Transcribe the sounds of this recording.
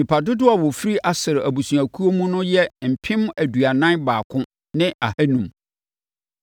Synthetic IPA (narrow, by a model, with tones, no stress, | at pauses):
nĩ˨pʰa˨dʊ˦dʊ˦a˨wɔ˨fi˦ɾi˦ʔa˨sɪ˨ɾɪ˨ʔæ˨bu˨sũ˨æ˨kʰu˦o˦mũ˦nʊ̃˦jɛ˦m̩˨pʰɪ̃˦mæ˨du˨a˨nã˦nbaː˨kʰʊ̃˦ | nɪ̃˦a˨hæ˦nũ˨m